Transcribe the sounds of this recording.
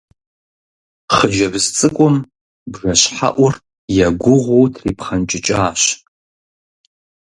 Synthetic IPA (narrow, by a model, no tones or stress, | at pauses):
χəd͡ʒɐbzt͡sʼɨkʷʼʊm | bʐɐɕħa̰ʔʷʊr | jaɡʷʊʁʷowtʰriːpχant͡ʃʼɪt͡ʃʼaːɕ